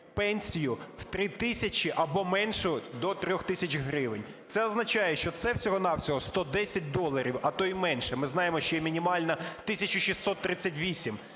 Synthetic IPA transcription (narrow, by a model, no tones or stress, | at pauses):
pɛnʲsʲijʊw̥t̪ɾɪt̪ɪsʲɐt͡ʃiʔɐbɔmɛnʃʊd̪ɔt̪ɾʲɔxt̪ɪsʲɐt͡ʃɦɾɪʋɪnʲ | t̪sɛɐznɐt͡ʃɑjɛʃt͡ʃɔt̪sɛwsʲɔɦɔnɑwsʲɔɦɔst̪ɔd̪ɛsʲɐt̚ʲd̪ɔlˠɐɾʲiwɐt̪ɔjmɛnʃɛmɪznɑjemɔʃt͡ʃɔjɛmʲinʲimɑlʲnɐt̪ɪsʲɐt͡ʃʊʃisːɔt̪ːɾɪt͡sʲːɐtʲʋʲisʲim